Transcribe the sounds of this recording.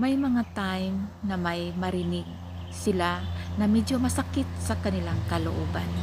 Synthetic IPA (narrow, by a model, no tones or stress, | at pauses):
mɐjmɐŋat̪ajmnɐmɐjmɐɾɪnɪɡ̚ | sɪlanɐmɛd͡ʒomɐsɐkɪt̪̚sɐkɐnɪlaŋkɐloʔo̰ban